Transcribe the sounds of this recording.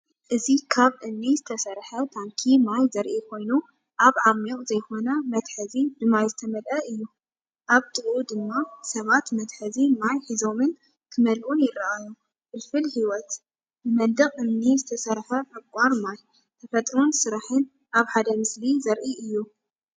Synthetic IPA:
ʔɨzikʰaβʔɨmːizɨt̪ʰɐsɐɾħɐt̪ʰaŋkʰimajzɐɾʔikʰo̞jnu | ʔaβʕamjoʔʼzɐjxo̞nɐmɐt̪ħɐzid̪ɨmːajzɨt̪ʰɐmɐlʔɐʔɨjːu | ʔaβt̪ʰɨʔud̪ɨmːasɐβat̪mɐt̪ħɐzimajħizo̞mɨn | k̪ʰɨmɐlʔunjɪɾɐʔaju | bɨlfɨlhiwɔt̪ | nɨmɐnd̪ɨχʼʔɨmnizɨt̪ʰɐsɐɾħɐʕɨkʷʼaɾmaj | t̪ʰɐfɐt̪ʼɾonsɨɾaħɨn | aβħad̪ɐmɨslizɐɾʔiɨjːu

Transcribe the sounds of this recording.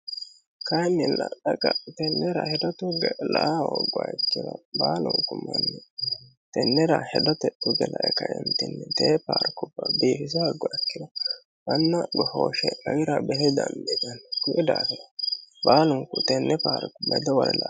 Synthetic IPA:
kɐjnːɪlɐɗɐkʼɐt̪ɛnːɛɾɐhɛd̪ɔt̪ʊɡɛlaʔawɔɡːʊaɛkːɪd̪ɐbaːlʊŋkːʊmɐnːɛ | t̪ɛnːɛɾɐhɛd̪ɔt̪ɛt̪ʊɡɛlɐʔɛkɐʔɪmt̪ɪnːɛt̪eːpaːɾkʊbːɐbiːfɪs̬ɐɐɡːʊaɛkːɪd̪ɐ | mɐnːɐɡɔhoːʃɛɐɡɪɾɐbɛhɛd̪ɐnd̪ɛd̪ɐnkʊʔɛd̪aːfɪd̪ɐ̥baːlʊŋkːʊt̪ɛnːɛpaːɾkʊbmɛ̰d̪ɔwɔlɛla

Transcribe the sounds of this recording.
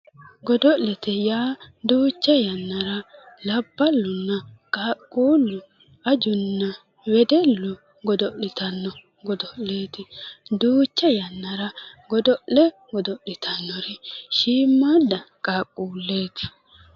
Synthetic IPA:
ɡɔd̪ɔʔlɛt̪ɛjaːd̪uːt͡ʃːɛjɐnːɐɾɐ | lɐbːɐlːʊnːɐkʼaːkʼːuːlːʊ | ɐd͡ʒʊnːɐ | wɛd̪ɛlːʊ | ɡɔd̪ɔʔlɪt̪ɐnːɔ | ɡɔd̪ɔʔle̞ːt̪ɪd̪uːt͡ʃːɛjɐnːɐɾɐɡɔd̪ɔʔlɛ | ɡɔd̪ɔʔlɪt̪ʰɐnːɔɾɛʃiːmːad̪ɐkʼaːkʼːuːlːe̞ːt̪ɪ̥

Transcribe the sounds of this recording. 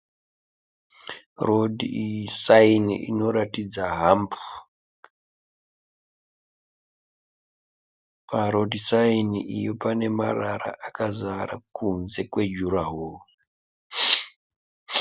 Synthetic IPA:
rodʱisainiʔḭno̞ɾatid͡zaɦambu̥ | paɾo̞dʱisainiʔijopane̞maraɾa̰ʔakazaɾakunze̞kwe̞d͡ʒuɾaɦoː

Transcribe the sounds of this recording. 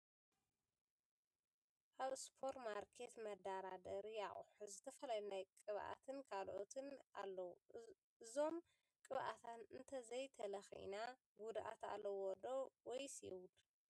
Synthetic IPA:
ʔaβɨspʰo̞ɾmaɾkʰet̪mɐd̪aɾad̪ɐɾjaʔʼħzɨt̪ʰɐfɐlajunajkʼɨβʔa̰t̪ʰɨnkʰalʔot̪ʰɨnʔalːɐwu | ɨzo̞m | kʼɨβʔa̰t̪ʰanɨnt̪ʰɐzɐjt̪ʰɐlɐxiḭna | ɡud̪ʔa̰t̪a̰lːɐwɔd̪owɔjsɛ̰wud̪

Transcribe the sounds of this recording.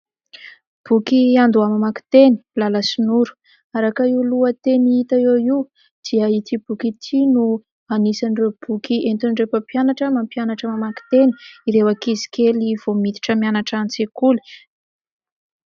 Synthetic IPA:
b̥ukiand̪uamamaki̥t̪eni̥laləsinuɾu̥ | aɾakaiuluət̪eniit̪aoiw | d̪̥iəit̪ibukit̪ʰinu | anisanrewb̥ukiʔent̪unɖ͡ʐefəpjanaʈ͡ʂəmampjanaʈ͡ʂəmamaki̥t̪eniiɾewakizi̥keliv̥omit̪i̥ʈ͡ʂəmianaʈ͡ʂanit͡sekuli̥

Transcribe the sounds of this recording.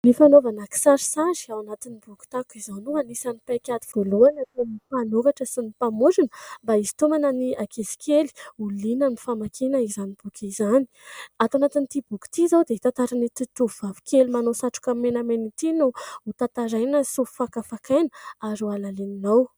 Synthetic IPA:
nifanovanaki̥saɾi̥saziawanat̪inibuku̥t̪akizanuanisanipajkʲat̪i̥v̥oluanat̪enifanovaʈ͡ʂəsinipamud͡ʒinəmbaizi̥t̪omanəniakezi̥kʰeli̥ulinənifamakʰinəizanib̥ukʰizani̥at̪anat̪init̪ibuku̥t̪izawd̪eit̪ãnt̪aɾanit̪it̪uvuvavi̥kʰʲelimanosaʈ͡ʂu̥kamːenamenit̪inuut̪at̪aɾajnəsufu̥fakafakʰajnə̥aɾualaleninaw

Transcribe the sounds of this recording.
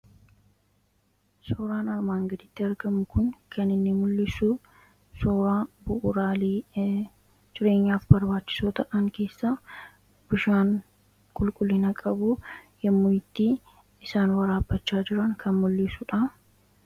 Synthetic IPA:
soːɾaːnɐɾmaːŋɡɐd̪ɪt̪ːɪɐɾɡɐmʊkʊnkʰɐnɪnːɪmʊlːɪsʊ | soːɾaːbʊʔʊɾaːliː | d͡ʒɪɾe̞ːɲːaːfbɐɾbaːt͡ʃːɪ̥soːt̪ɐʔɐŋke̞ːsːɐ | b̥ʊʃaːŋ | kʼʊlkʼʊlːɪnɐkʼɐbʊjɛmːʊjɪt̪ːi | ɪsaːnwɐɾaːbːɐt͡ʃːaːd͡ʒɪɾɐŋkʰɐnmʊlːɪsʊᶑɐ

